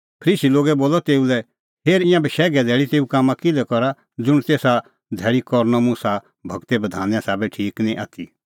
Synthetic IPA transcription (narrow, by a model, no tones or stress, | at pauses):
pʰɾiːsiloːɡɛboːlɔt̪eːulɛ | ɦeːɾɪ̃jãbɛʃɛːɡɛd̪ʱɛːɽit̪eːukaːmãkɪlɛkɔɾa | d͡zʊɽ̃t̪eːsa | d̪ʱɛːɭikɔɾnɔmũsa | bʱɐɡt̪ebɐd̪ʱaːnjãsaːbɛʈʰiːknĩʔa̰ːt̪ʰi